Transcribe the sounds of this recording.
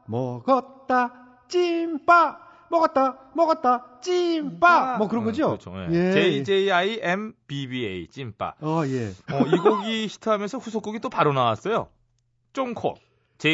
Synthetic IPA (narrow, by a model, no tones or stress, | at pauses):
mʌɡʌtt͈a | t͡ɕimpa | mʌɡʌt̚t͈amʌɡʌt̚t͈at͡ɕ͈imp͈amʌkɯɾʌŋɡʌd͡ʑiokɯt͡ɕʰo̰jejet͡ɕeid͡ʑeiaiʔempibieit͡ɕ͈imp͈a̰ajeʌiɡoɡiçʰi̥tʰɯɦamjʌnsʰʌɸusʰok͈oɡit͈opaɾonawas͈ʌjo̰ | t͡ɕ͈oŋkʰo̰n | t͡ɕe